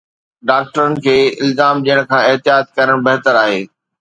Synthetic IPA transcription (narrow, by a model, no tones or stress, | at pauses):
ɖaːk̚ʈəɾənɪ̆kʰeːɪlzaːmd͡ʑiːə̃ɽ̃̆kʰãːɪɦt̪ijaːt̪̚kɐɾəɽ̃bɐɦt̪əɾaːɦeː